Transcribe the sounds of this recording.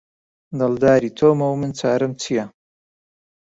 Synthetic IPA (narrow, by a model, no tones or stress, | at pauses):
d̪ɐld̪aːɾit̪ʰoːmɐwmɨnt͡saːɾɨmt͡sʰijɐ